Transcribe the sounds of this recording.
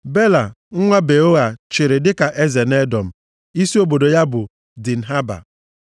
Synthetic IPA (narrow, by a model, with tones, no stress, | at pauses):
be˦la˨ | ŋ̩˦ŋʷa˦be˨o˦a˨t͡ʃɪ˨ɾɪ˨dɪ˦ka˨ʔe˦ze˨ne˦dɔ˨m̩˨ | i˦si˦o˦bo˨do˨ja˦bʊ˨ | dɪ˨n̩˨ɦa˦ba̰˨